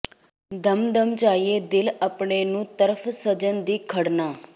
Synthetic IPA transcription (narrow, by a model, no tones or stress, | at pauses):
d̪əmd̪əmt͡ʃaːieːd̪ɪləpɳeːnũːt̪əɾəpʰsəd͡ʒənd̪iːkʰəɽnaː